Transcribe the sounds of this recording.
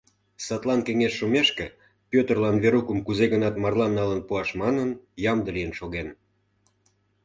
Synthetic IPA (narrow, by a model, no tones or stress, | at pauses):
sɑt̪lɑnkeŋeʃːumeʃkĕ | pʲøt̪ərlɑnβeɾukəmkuzeɣənɑt̪mɑrlɑnːɑlənpuɑʃmɑnənjɑmd̪əlijənʃoɣen